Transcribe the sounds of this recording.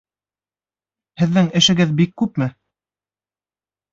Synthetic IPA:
hɘ̆ðːɘŋɘ̆ʃɘ̆ɡɘðbikːʉpmɘ

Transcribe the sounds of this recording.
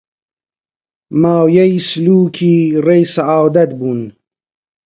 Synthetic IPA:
maːwjɐjisluːkʰiɾejsaaːwd̪ɐt̪̚bun

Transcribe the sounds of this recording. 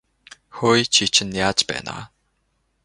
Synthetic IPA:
xojt͡ɕʰit͡ɕʰɪ̆nːjaːt͡ɕpæ̰ːna̰

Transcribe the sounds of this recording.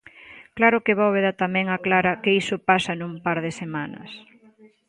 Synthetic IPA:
klaɾʊkeβowβeðat̪amɛ̃ŋaklaɾɐkeisʊpasɐnũmpaɾðɪsemanɐ̰s

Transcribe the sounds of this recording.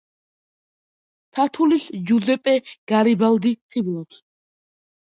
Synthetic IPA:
t̪ʰat̪ʰulisd͡ʒuzɛpʼɛɡ̥aɾibald̪iχʰiblˠɔs

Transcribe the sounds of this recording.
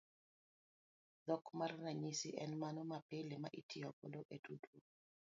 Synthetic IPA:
d̪ɔkmarnaɲisiʔɛnmanɔmapɪlɪmaʔitʰɪɔpoloʔedudwo

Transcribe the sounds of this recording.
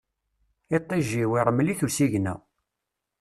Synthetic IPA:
et̪ˤːiʒːiwiɾˤəmːliθulsiʝnæ̰

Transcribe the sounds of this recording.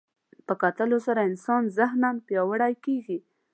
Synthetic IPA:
pəkat̪əlosaɾaɪnsɑnzahnanpjɑwəɽajkeɡi

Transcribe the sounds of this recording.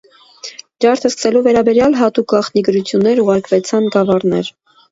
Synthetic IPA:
ɾɑɾt̪ʰəskə̥sɛluvɛɾɑbɛɾjɑlɦɑt̪uk̚ɡɑχt̪niɡəɾut͡sʰjunːɛɾuʁɑɾkvɛt͡sʰɑnɡɑvɑrnɛ̰ɾ

